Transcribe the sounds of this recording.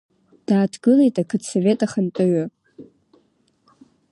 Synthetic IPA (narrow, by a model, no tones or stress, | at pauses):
d̥aːtʰɡɨle̞jtʼakʰɨdsove̞tʼaχantʼɨɥa